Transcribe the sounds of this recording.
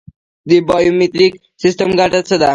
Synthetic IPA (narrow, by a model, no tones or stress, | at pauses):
d̪ibajomit̪ɾik | sisʈəmɡaʈat̪səd̪a